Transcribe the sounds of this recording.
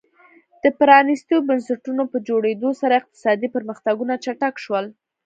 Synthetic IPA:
d̪̥əpɾɑnist̪obənsaʈunopəd͡ʒoɽed̪osaɾaɪq̚t̪ɪ̥sɑd̪ipəɾməxt̪aɡunat͡ʃaʈakʃwəl

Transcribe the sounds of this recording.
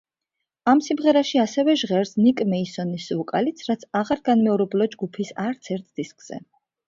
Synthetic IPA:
amsimʁɛɾaʃiasɛvɛʒʁɛɾsnikʼmɛisɔnisvukʼalit̪sʰɾat̪sʰaʁaɾɡanmɛuɾɛblˠɔd͡ʒɡupʰisaɾt̪sʰɛɾt̪ʰd̪̥iskʼz̥ɛ̰

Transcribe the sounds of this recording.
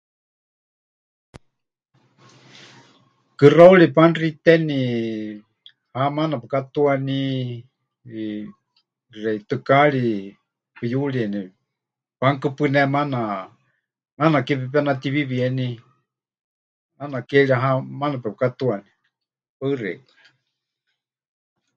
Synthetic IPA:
kɨrauɺipanrit̪ɛni | hamanapɛkat̪uani | rɛit̪ɨkaɺi | pɨjuɺiɛni | paŋkɨpɨnɛmana | manakɛp̬ɛpɛnat̪iβiβiɛni | anakɛɺiaɦamanapɛpɨkat̪uani | paɨrɛ̰kḁ

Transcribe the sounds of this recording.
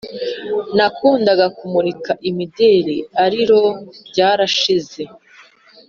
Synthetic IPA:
nakuːndaɡakumuɾikaʔimideːɾiaɾiɾo̞ɟaːɾaʃize̞

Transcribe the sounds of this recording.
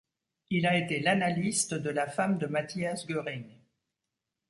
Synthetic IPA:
ilaet̪elanalist̪d̪əlafamd̪əmat̪iasɡʲøʁiŋ

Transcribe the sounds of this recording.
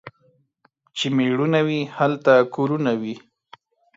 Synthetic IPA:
t͡ʃemeɽunawihalt̪akoɾunawi

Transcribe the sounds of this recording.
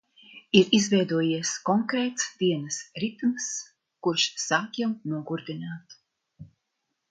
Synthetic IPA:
iɾizvɛjd̪uɔjiɛskɔŋkɾɛːt̪sd̪iɛnɨsɾit̪mɨs | kuɾʃsaːkjɛwnuɔɡuɾd̪inaːt̪

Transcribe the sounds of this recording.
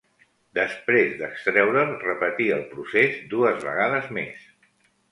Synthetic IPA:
d̪əspɾezd̪əkst̪ɾɛwɾərəpət̪iəlˠpɾusezd̪uəzβə̰ɣ̞aðəzmḛs

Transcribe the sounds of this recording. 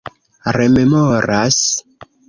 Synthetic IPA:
rememoɾas

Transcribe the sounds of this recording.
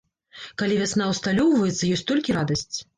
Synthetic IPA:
kalʲivʲasnawst̪alʲɔwvɐjɛt̪sːɐjɔsʲtʲt̪ɔlʲkʲiɾad̪ɐsʲt͡sʲ

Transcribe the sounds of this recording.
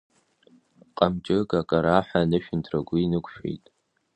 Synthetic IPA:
qʼamt͡ʃʼɪɡakʼaɾaħʷanɨʃᶣɪntʰraɡʷʊinɨkʷʰʼʃᶣḛjtʼ

